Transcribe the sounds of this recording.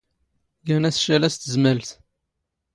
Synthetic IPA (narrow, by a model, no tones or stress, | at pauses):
ɡænæsʃælæst̪əzməlθ